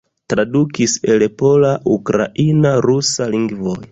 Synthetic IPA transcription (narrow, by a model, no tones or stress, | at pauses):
tɾadukise̞lepo̞laʔukɾa̰ʔinaɾusaliŋɡvoj